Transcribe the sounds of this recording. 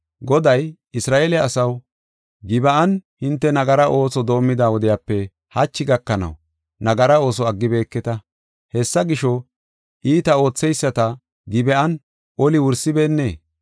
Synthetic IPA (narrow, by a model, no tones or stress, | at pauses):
ɡɔd̪ɐj | ɪsɾaːʔelɛɐsɐw | ɡɪbɐʔɐnhɪnt̪ːɛnɐɡɐɾɐʔo̞ːsɔd̪o̞ːmːɪd̪aːwɔd̪ɛjaːpːɛ | hɐt͡ʃːɪɡɐkːɐnɐ̰w | nɐɡɐɾɐo̞ːs̬ɔɐɡːɪbe̞ːkːɛt̪ɐ | hɛsːɐɡɪʃɔ | ʔiːt̪ɐo̞ːt͡sːɛjsːɐt̪ɐ | ɡɪbɛʔɐn | ʔɔlɪwʊɾsɪbe̞ːnːe̞ː